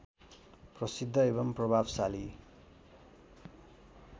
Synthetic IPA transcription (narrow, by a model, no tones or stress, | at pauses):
prʌsid̪ʱːʌeβʌmprʌbʱabsali